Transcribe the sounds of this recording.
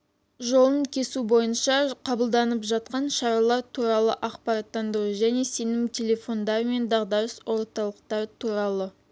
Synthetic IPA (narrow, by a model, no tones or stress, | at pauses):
ʒo̞lˠəɴkʲʰe̞subo̞jənʃɑqʰɑbəlˠd̪ɑnəpʒɑt̪̚qɑnʃɑɾɑlˠɑɾt̪ʰuɾɑlˠəʔɑqpɑɾɑt̪ːɑnd̪əɾuʒæne̞se̞nɪŋt̪ʲʰe̞lʲe̞fo̞nd̪ɑɾəme̞nd̪ɑʁd̪ɑɾəswʔo̞ɾt̪ɑlˠəq̚t̪ɑɾt̪ʰuɾɑlˠə